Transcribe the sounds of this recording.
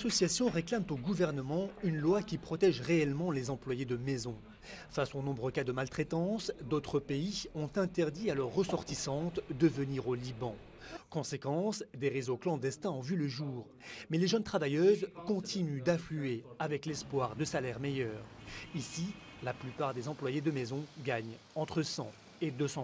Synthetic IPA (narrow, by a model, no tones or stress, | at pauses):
lasɔsjasjɔ̃ʁeklamt̪oɡuvɛʁnəmɑ̃ynlwakʲipχɔt̪ɛʒʁeɛlmɑ̃lezɑ̃plwajed̪əmɛzɔ̃ | fasonɔ̃bʁəkad̪əmalt̪χet̪ɑ̃sd̪ot̪χəpeiɔ̃t̪ɛ̃t̪ɛʁd̪ialœʁːəsɔʁt̪isɑ̃t̪d̪əvəniʁolibɑ̃ | kɔ̃sekɑ̃sd̪eʁezoklɑ̃d̪ɛst̪ɛ̃ɑ̃vyləʒuːʁ | mɛleʒœnt̪χavajøzkɔ̃t̪inyd̪aflyeavɛklɛspwaʁd̪əsalɛʁmejœːʁisi | laplypaʁd̪ezɑ̃plwajed̪əmezɔ̃ɡaɲɑ̃t̪χəsɑ̰̃ | ed̪øsɑ̃